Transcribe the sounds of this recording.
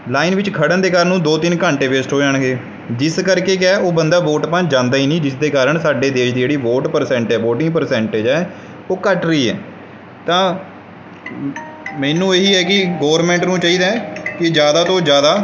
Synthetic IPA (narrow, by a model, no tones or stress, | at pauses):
laːiːnʋɪt͡ʃkʰəɽənd̪eːkaːɾənũːd̪oːt̪ɪnkãɳʈeːʋeːsʈɦoːd͡ʒãːɳɡeː | d͡ʒɪskəɾkeːkɛːoːbənd̪aːʋoːʈpãːd͡ʒãːnd̪aːiːnĩːd͡ʒɪsd̪eːkaːɾəɳsaːɖeːd̪eːʃd̪iːd͡ʒeːɽiːʋoːʈpəɾsɛ̃ːɳʈɛːʋoːʈɪ̃ŋɡpəɾsɛ̃ːɳʈed͡ʒɛː | oːkəʈɾəiːɛ̰ː | t̪ãː | mɛːnũːeːɦiːɛːkɪɡoːʋəɾmɛ̃ːɳʈnũːt͡ʃaːiːd̪aːkɪd͡ʒjaːd̪aːt̪õːd͡ʒjaːd̪aː